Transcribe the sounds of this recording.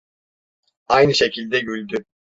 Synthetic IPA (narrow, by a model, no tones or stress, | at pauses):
ajnɯʃecʰilʲd̪ɛɟylʲd̪y